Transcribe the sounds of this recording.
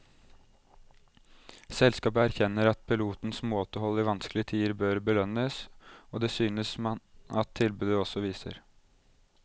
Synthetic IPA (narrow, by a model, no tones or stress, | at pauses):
sɛlskɑːpəæɾçɛnːəɾɑt̪̚pʰɪluːt̪n̩smoːt̪əhɔlːiʋɑnsklɪət̪ʰiːəɾbøːɾbəlœnəsoːd̪eːsyːnəsmɑt̪ʰːɪlbʉːd̪əɔsɔʋiːsə̰ɾ